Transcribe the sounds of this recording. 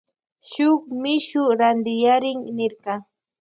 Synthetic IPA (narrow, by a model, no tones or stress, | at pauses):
ʃʊkmɪʃʊɾand̪ɪjaɾɪŋnɪɾqɑ